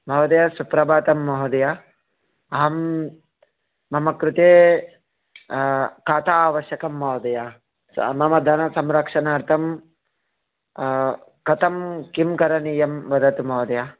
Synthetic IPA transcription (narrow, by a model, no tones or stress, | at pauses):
mɐɦod̪ɐjasupɾɐbaːt̪ɐmːɐɦɐd̪ɐja | ɐɦɐm | ɐmɐkɾut̪eː | kaːt̪aːʋɐʃjɐkɐmːɐːd̪ɐja | mɐmɐd̪ʱɐnɐsɐmɾɐkʂɐnaːɾt̪ʰɐm | kɐt̪ɐmkimkɐɾɐniːjɐmbɐd̪ʱɐt̪umɐːd̪ɐja